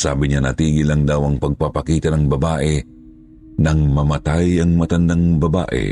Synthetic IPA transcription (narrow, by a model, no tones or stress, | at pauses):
sa̰ːbɪɲanɐ̰t̪iːɡɪlaŋd̪awɐŋpɐɡ̚papakiːt̪ɐnɐŋbɐbaːʔɛ | nɐŋmɐmat̪ajɐŋmɐt̪ɐnd̪aŋbɐba̰ːʔɛ̰